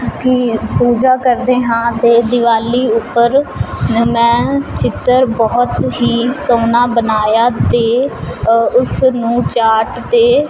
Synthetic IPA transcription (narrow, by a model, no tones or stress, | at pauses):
kipuːd͡ʒaːkəɾd̪eːɦãːt̪eːd̪ɪʋaːliːʊpːəɾ | mɛ̃ːt͡ʃɪt̪ːəɾbɔːt̪ɦiːsõːnaːbənaːjaːt̪eː | ʊsnũːt͡ʃaːʈt̪eː